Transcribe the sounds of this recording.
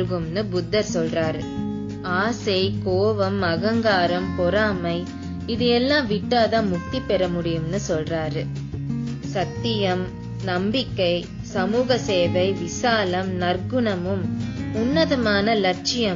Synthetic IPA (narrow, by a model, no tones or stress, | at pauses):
ɯɣɯmnɯbʊd̪ːɐɾsɔlraːɾɯ | aːsɐɪkoːʋɐmɐɣɐŋɡaːɾɐmpɔɾaːmɐɪ | ɪðɯɛlːãːʋɪʈːaːðãːmʊk̚t̪ipːɛɾɐmʊɽɪjɯmnɯsɔlraːɾɯ | sɐt̪ːɪjɐm | nɐmbɪkːɐɪ | sɐmuːɣɐseːʋɐɪʋɪsaːlɐmnɐɾɡɯɳɐmɯmʊnːɐðɐmaːnɐlɐʈ̚t͡ʃɪjɐ